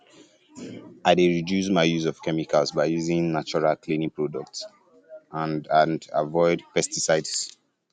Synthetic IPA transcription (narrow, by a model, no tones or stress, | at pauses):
aɪdeɹidjus̬maɪjuzɔv̥kɛmikʰalsbaɪjuzɪ̃ŋnat͡ʃɔɹalkʰlĩnĩŋpɹɔdɔk̚ts | ãndãna̰vɔɪdpɛstisaɪds